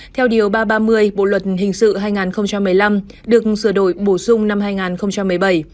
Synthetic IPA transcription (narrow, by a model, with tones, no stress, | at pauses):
t̪ʰɛ˧wɗi˨˩˦əwɓaː˧ɓaː˧mɨ˧əjɓo̰˧˨lwə˨˩t̚hï˨˩ŋ̟sɨ̰˧˨ɦaː˧jŋaː˨˩nxə˧wŋ͡mt͡ɕa˧mːɨ˨˩əjla˧m | ɗɨ˨˩ək̚sɨ˧˩əɗo˧˩jɓo˧˩sʊ˧ŋ͡mna˧mɦaː˧jŋaː˨˩nxə˧wŋ͡mt͡ɕa˧mːɨ˨˩əjɓə˧˩j